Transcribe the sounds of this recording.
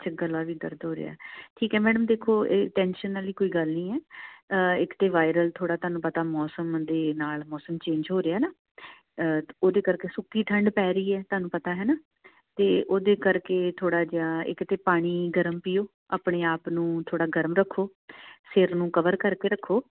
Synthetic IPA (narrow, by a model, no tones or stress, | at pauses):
t͡ʃʰaɡəlːaːʋiːd̪əɾd̪ɦoːɾḛa̰ːɦɛʈʰiːkɛːmɛːɖəmd̪eːkʰoːeːʈɛ̃ːnʃənəliːkoːiːɡəlnĩːɛː | ɪkt̪eːʋaːɪɾəlt̪ʰoːɽaːt̪ʊaːnũːpət̪aːmɔːsəmd̪eːnaːlmɔːsəmt͡ʃẽːɲd͡ʒɦoːɾeaːɦɛːnaː | oːd̪eːkəɾkeːsʊkːiːt̪ʰəɳɖpɛːɾəiːɛːt̪ʊɦaːnũːpət̪aːɦɛːnaː | t̪eːʔoːd̪eːkəɾkeːt̪ʰoːɽaːd͡ʒaːɪ̰kt̪eːpaːɽ̃iːɡəɾəmpijoː | a̰ːpɽeːaːpnũːt̪ʰoːɽaːɡəɾəmɾəkʰːoː | sɪɾnũːkəʋəɾkəɾkeːɾəkʰːoː